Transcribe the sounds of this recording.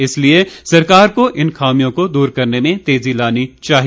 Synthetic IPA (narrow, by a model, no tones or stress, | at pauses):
ɪsliesɐɾkaːɾkoʔɪnxaːmijõkod̪uːɾkɐɾnemẽt̪eːzilaːnit͡ʃaːɦi